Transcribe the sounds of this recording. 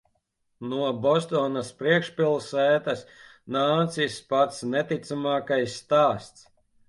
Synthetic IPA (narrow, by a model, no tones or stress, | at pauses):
nuɔbɔst̪ɔːnaspɾiɛkʃpilˠsɛːt̪asnaːt̪sispat̪snɛt̪it̪samaːkajsːt̪aːst̪s